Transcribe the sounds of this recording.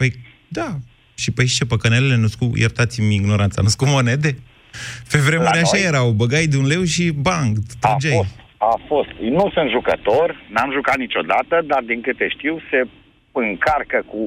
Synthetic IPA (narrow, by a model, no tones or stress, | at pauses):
pəj | d̪a | ʃipəjʃt͡ʃepəkənelele̞nuskujʔert̪at̪simiɡno̞ɾant̪sa̰nuskumo̞ned̪e̞ | fevɾemuɾeaʃajeɾawbəɡajd̪eunle̞wʃibaŋɡt̪ud͡ʒejost̪afo̞st̪nusɨnt̪ʒukət̪o̞rʲnamʒukat̪̚nit͡ʃo̞d̪at̪əd̪ard̪iŋkɨt̪eʃt̪iwse̞ | ɨŋkarkəku